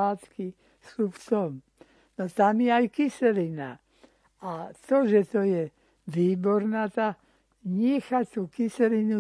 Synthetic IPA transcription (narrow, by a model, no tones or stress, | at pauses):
aːt̪ki | suft̪ɔm | not̪amjɛajkisɛlina̰ | at̪ɔʒɛt̪ɔjɛ | ʋiːbɔɾnat̪a | ɲɛxat̪uːkisɛɾinu